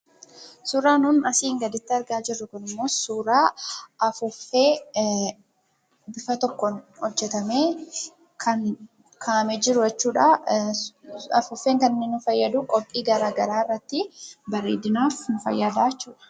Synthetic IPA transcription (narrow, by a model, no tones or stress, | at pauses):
suːɾaːnʊnɐsiːŋɡɐd̪ɪt̪ːɪɐɾɡaːd͡ʒɪrːʊkʊnɪmːo̞ːsuːɾaːʔɐfʊfːeː | bɪfɐt̪ɔkːɔnhɔd͡ʒːɛt̪ɐmeː | kʰɐn | kʰaːɐmɛd͡ʒɪɾʊjɛt͡ʃːuːᶑa | ɐ̰fʊfːeːŋkɐnnːɪnʊfɐjːɐd̪ukʼɔpʼːiːɡɐɾaːɡɐɾaːɪrːɐt̪ːɪbɐɾḛːd̪ɪnaːfnʊfɐ̰jːaːd̪aːt͡ʃːuːᶑɐ̥